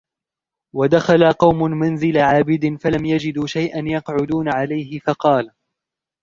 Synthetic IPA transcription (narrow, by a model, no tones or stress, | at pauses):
wad̪axalaqɑwmʊmanzɪlaʕaːbɪd̪nfalamjad͡ʒɪd̪uʃajʔanjɑqʕʊd̪uːnaʕalajɦɪfɑqɑːl